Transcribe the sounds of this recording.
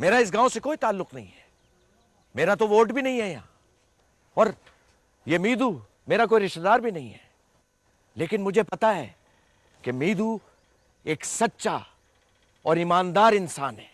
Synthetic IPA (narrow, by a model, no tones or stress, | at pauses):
meːɾaɪs̬ɡãːõsekoːit̪aːlːʊqnɐɦḭ̃ɦɛ̥ | meːɾat̪̬oʋoːɾʈbʱinɐɦĩɦɛjãː | ɔːɾ | jemiːd̪u | meːɾak̬oːiɾɪʃt̪d̪aːɾbʱinɐɦĩɦɛː | leːkɪnmʊd͡ʒʱepɐt̪aɦɛ̰ː | kemiːd̪u | eːksɐtːʃa̰ | ɔːɾimaːnd̪aːɾɪnsaːnɦɛː